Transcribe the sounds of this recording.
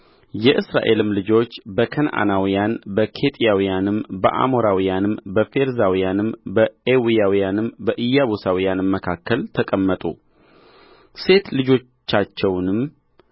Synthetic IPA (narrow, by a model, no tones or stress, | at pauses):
jɛʔɨsɾa̰ʔe̞lɨmlɨd͡ʒo̞t͡ʃːbəkʰənʔa̰nawijanbəkʰe̞t̪ʼijawijanɨmbəʔa̰mo̞ɾawijanɨmbəfe̞ɾzawijanɨmbəewijawijanɨmbəʔɨjːaβusawijanɨmːəkʰakːəlt̪ʰəkʼəmːət̪ʼṵ | se̞t̪lɨd͡ʒo̞t͡ʃːat͡ʃːɛwnɨm